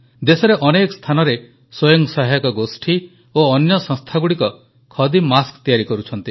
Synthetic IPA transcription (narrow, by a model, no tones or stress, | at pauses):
d̪esɔɾeʔɔnekɔ̥st̪ʰanɔɾe | swojɔŋsɔɦajɔkɔɡosʈʰi | oɔnjɔsɔ̃ŋst̪ʰaɡuɽikɔ | kʰɔd̪imaskt̪ijaɾikɔɾut͡ʃʰɔnt̪i